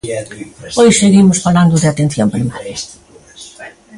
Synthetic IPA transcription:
ojseɣimʊsfaland̪ʊðɪat̪en̟θjompɾimaɾjɐ

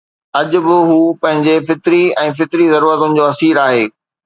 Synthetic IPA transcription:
ɐʄʊ̆bɪɦuːpɐ̃ɦɪ̃ɲd͡ʑefɪt̪ɾiɛ̃ːfɪt̪ɾizɐɾuːɾət̪ʊnɪ̆d͡ʑoːɐsiːɾaːɦeː

